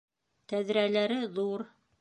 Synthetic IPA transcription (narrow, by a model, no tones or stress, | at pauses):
t̪æðɾælæɾɘðuɾ